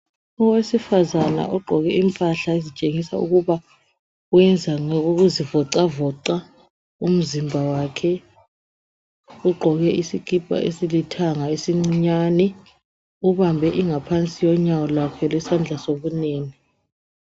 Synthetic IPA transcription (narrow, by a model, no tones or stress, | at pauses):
ɔwesifazana̰ʔuɡ͡ǃʱɔk̬ɛimpʼaɬaezit͡ʃʼeŋisaṵk̬uɓa | wɛnd͡zʱaŋɔk̬uk̬uzivɔǀavɔǀa | um̩zimbʱawaːkʰɛ | uɡ͡ǃʱɔɣ̬ɛʔisiɡ̥ʱʼib̥ʱʼa̰ʔesilitʰaŋaesiŋ͡ǀɲanɛ | uɓambʱɛʔiŋapʰant͡sʼijɔɲawɔlwakʰɛlwɛsand͡ɮʱasoɓuneːni